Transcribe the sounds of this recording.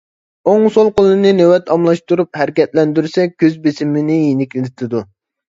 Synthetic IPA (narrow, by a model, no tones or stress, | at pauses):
oŋsolˠqolˠɨnɨnewɛt̪ʰɑmlˠɑʃt̪uɾup̚hæɾɪkʲɛt̪lɛnd̪yɾsɛkʲʰøzbɪsɪmɪnɪjenɪkʲlɪɪt̪ʰɪd̪u